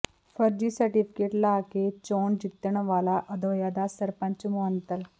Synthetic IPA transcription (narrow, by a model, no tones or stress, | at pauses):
fəɾd͡ʑiːsəɾʈifi̥keʈlaket͡ɕoɳd͡ʑit̪ːəɳʋalaʔəd̪ojad̪asəɾpə̃ɲt͡ɕmoɦənt̪əl